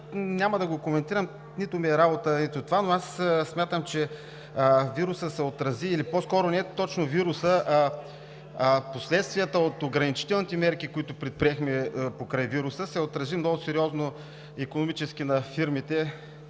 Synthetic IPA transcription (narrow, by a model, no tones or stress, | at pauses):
nʲamɐd̪ɐɡokomɛnt̪iɾəm | nit̪ʊmiɛɾabot̪ənit̪ʊt̪ovanoassmʲjat̪əmt͡ʃɛ | viɾʊsəsɛot̪ɾɐziːliposkɔɾʊnɛt̪ɔt͡ʃnoviɾusəʔ | poslɛt̪st̪viət̪əot̪oɡɾɐnit͡ʃi̥t̪ɛlˠnit̪ɛmɛɾkikoit̪ʊpɾɛt̪̚pɾiɛxmɛpokɾajviɾʊsəsɛot̪ɾɐzimnɔɡʊsɛɾiɔzno | ikonomit͡ʃɛsk̟inɐfiɾmit̪ɛ